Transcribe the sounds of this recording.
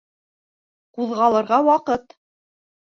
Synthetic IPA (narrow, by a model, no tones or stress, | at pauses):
quðʁɑlˠɤ̆ɾʁɑwɑqɤt̪